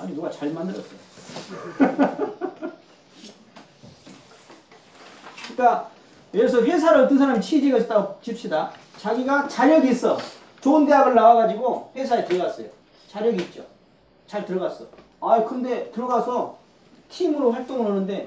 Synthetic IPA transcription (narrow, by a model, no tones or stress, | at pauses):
a̰ɲinuɡat͡ɕaɭmandɯɾʌs͈ʌjo | ik͈a | jʌes̬ʰʌɸwe̞s̬ʰaɾɯt͈ɯnsʰaɾamit͡ɕʰid͡ʑiɡʌt͈at͡ɕip̚ɕ͈ʰida | t͡ɕaɡiɡat͡ɕaɾjʌɡis͈ʌ | t͡ɕoɯnde̞ɦaɡɯɭːawaɡad͡ʑiɡoɸwe̞sʰaetɯɾʌɡas͈ʌ̰jo̰ | t͡ɕaɾjʌɡit̚t͡ɕ͈o | t͡ɕaɭtɯɾʌɡas͈ʌ | aikʰɯnde̞tɯɾʌɡasʰʌ | tʰimɯɾoɸwaɭt͈oŋɯɭɦʌnɯnde̞